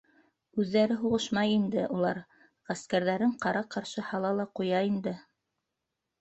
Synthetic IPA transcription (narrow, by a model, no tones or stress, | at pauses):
ʉðːæɾɘɦuʁɤʃmɑjind̪ɘʔulˠɑɾ | ʁæskæɾðæɾɘɴqɑɾɑqɑɾʃɤhɑlˠɑlˠɑqujɑind̪ɘ